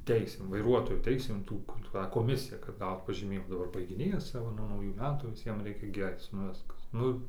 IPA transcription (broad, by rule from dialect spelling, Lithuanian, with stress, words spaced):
ˈtʲɛɪsʲeːm ʋɐɪˈruɔtoːjoː ˈtʲɛɪsʲeːm ˈtuː kʊr ˈtɑː koːˈmʲɪsʲɪjɛ kɐt ˈɡɐʊt pɐʒʲiːˈmʲeːjɪmɐ dɐˈbɐr bɐɪɡʲɪˈnʲeːjɛs ˈt͡sʲɛ ʋɐ nuɔ nɐʊˈjuː ˈmʲæːtuː ʋʲɪˈsʲiɛm ˈrʲɛɪkʲɛ ɡʲɪ ˈɐɪt͡s nʊ ˈʋʲɪskɐs ˈnʊ